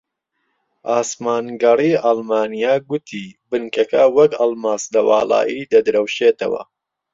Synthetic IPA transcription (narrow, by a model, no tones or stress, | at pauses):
ʔaːsmaːnɡɐriːʔɑlˠmaːnijaːɡʊt̪ʰiːbɨnkɐkɐwɐkɑlmaːslɐwɑːla̰ːʔiːd̪ɐd̪ɨɾɐwʃeːt̪ɐ̰wɐ̰